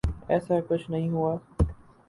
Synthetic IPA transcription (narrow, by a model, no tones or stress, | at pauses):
ɛːsakʊt͡ʃʰnɐɦĩɦuaː